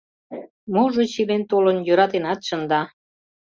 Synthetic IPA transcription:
moʒot͡ɕilent̪olənjøɾɑt̪enɑt̪ʃənd̪ɑ

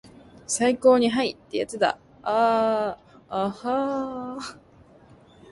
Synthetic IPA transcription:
saiko̞ːɲ̟iɦait̪ːe̞ja̰t͡sɨd̪a̰ | a | ha

